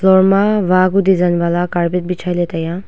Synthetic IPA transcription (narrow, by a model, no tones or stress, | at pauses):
lɔɹmaʋaɡud̪izanbalakaɹbit̪̚bit͡ʃʰajlet̪aja